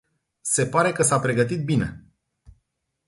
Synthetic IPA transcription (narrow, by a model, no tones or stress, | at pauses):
se̞paɾe̞kəsapɾe̞ɡət̪it̪̚bine̞̰